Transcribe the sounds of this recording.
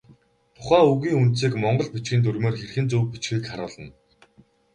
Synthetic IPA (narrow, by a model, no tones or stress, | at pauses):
t̪ʰʊ̥χæːuɣiːŋunt̪siːkmɔɴɢɞ̆ɮpit͡ɕɡĭːnt̪̬ʰuɾmeːrxerxɘ̆nt͡suwpit͡ɕxɘ̆ːkχaɾʊːɮə̆n